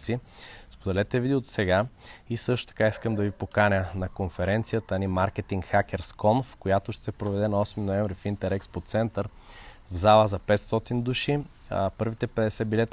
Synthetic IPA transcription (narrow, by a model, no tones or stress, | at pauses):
sispod̪ɛlɛt̪ɛvid̪iot̪sɛɡaisɤʃt̪o̥t̪ɐ̥kaiskəmd̪ɐvipokanʲənɐkonfɛɾɛnt̪sijət̪ənimaɾk̟ɛt̪iŋkxak̟ʲɛɾskɔnfkojat̪oʃt̪ɛ̥sɛpɾovɛd̪ɛnɐɔsminoɛ̃ɱvɾifint̪ɛɾɛkspot̪sɛnt̪əɾvzalˠəzɐpɛt̪st̪ɔt̪ind̪uʃi | pɤɾvit̪ɛpɛd̪ɛsɛbilɛt̪